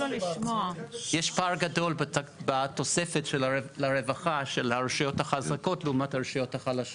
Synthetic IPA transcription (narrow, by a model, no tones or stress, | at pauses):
aliʃmoajɛʃpaʁɡado̞lbbat̪o̞se̞fetʃellaʁevaχaʃelaʁʃajo̞thaχazako̞tleumataʁʃajo̞thaχalaʃo